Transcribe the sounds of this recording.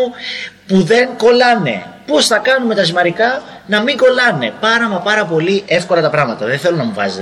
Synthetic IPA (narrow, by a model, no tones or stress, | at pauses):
puðe̞ŋko̞lɐne̞̰posθɐkɐnume̞t̪ɐzimɐɾikɐnɐmiŋɡo̞lɐne̞̰pɐɾɐmɐpɐɾɐpo̞liʔe̞fko̞lɐt̪ɐpɾɐmɐt̪ɐðenθe̞lonɐmuvɐ̰z